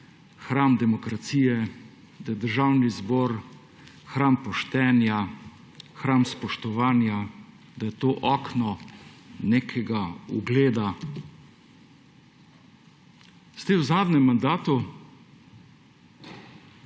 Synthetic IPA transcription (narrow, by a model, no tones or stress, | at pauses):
xɾamd̪ɛmɔkɾat̪siːjɛ | d̪ɐjɛd̪əɾʒawnizbɔːɾ | xɾaːmpɔʃt̪ɛːnja | xɾaːmspɔʃt̪ɔʋaːnja | d̪ajɛt̪oːʔɔknɔ | nekʰɛɡauɡleːd̪a | st̪ɛwzaːd̪nɛmːand̪aːt̪u